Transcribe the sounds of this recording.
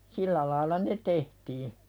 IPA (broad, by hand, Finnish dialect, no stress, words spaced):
silːæ lɑːilɑ ne tehtiː